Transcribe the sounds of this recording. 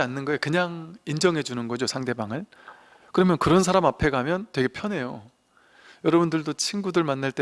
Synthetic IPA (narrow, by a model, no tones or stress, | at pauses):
anːɯnɡʌekɯɲaŋind͡ʑʌŋɦe̞d͡ʑunɯnɡʌd͡ʑosʰaŋde̞baŋɯɭ | kɯɾʌmjʌnkɯɾʌnsʰaɾamapʰe̞ɡamjʌntwe̞ɡe̞pʰjʌne̞jo | jʌɾʌbundɯɭdot͡ɕʰinɡudɯɭmanːaɭt͈e